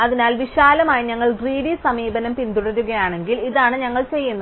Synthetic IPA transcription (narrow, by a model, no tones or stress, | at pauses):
ɐðinaːlʋiɕaːlɐmaːjiɲɐŋːɐɭɡriːɽisɐmiːbɐnɐmpind̪uɽɐɾuɣɐjaːɳe̞ŋɡiliðaːɳɨɲɐŋːɐɭt͡ɕe̞jːunːɐ